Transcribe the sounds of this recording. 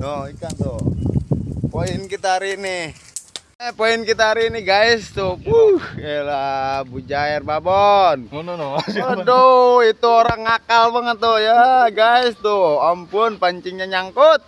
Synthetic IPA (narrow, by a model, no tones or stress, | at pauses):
nɔhikant̪u | poinkit̪aɾiʔnɪh | epoinkit̪aɾiniɡaɪst̪ubuhɛlabud͡ʒaɛrbabɔnnadoit̪uoɾaŋakalbaŋət̪ujaɡaist̪uampʊnpaɲt͡ʃiŋɲaɲaŋkut̪̚